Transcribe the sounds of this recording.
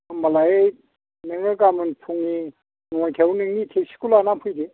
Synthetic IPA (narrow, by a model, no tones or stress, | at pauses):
malaje | nɯŋɯkamɯnpʰuŋi | ŋɔjt̪ʰewunɯŋnit̪ʰesi̥kulanapʰujd̪i